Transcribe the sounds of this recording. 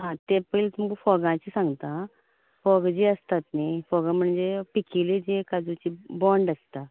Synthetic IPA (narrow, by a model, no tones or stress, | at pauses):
ɦãt̪epəjlt̪umkfɔɡãt͡ɕisãŋɡt̪ã | fɔɡd͡ʑeəst̪at̪najfɔɡãm̤əɳd͡zepikilid͡ʑekad͡zut͡ɕibɔɳɖəst̪a